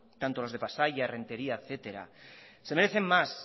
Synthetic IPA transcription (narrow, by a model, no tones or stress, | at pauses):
t̪ant̪olo̞zðe̞pasaʝaere̞nt̪e̞ɾiaeθe̞t̪eɾa̰se̞meɾeθe̞mmas